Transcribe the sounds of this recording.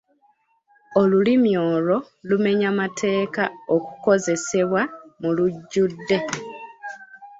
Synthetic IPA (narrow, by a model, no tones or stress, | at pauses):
olulimjo̞ːlo̞ | lume̞ɲamatʰe̞ːkao̞ku̥ko̞ze̞se̞βwamuluɟːudːe̞